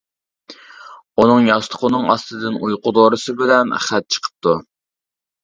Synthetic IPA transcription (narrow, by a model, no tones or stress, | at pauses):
unɨŋjɑst̪ʰʊ̥qʰʊnɨŋɑst̪ɨd̪ɨnujqʊd̪oɾɨsɨbɪlɛnχæt̪̚t͡ʃʰə̥qʰə̥p̚t̪ʰu